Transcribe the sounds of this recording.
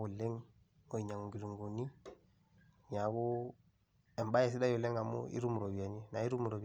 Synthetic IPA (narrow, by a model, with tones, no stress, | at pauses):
u˨le˦ŋ | o˨i˨ɲa˨ŋu˨ɡi˨ɾu˨ŋɡo˨ni˦ | ɲa˨ɡu˦ | e˨mba˦je˨s̬i˦da˦ju˨le˦ŋa˨mṵ˦ʔḭ˦ɾu˦m˨ɾo˨bi˨ja˨ni˦na˨i˦ɾu˦m˨ɾo˨b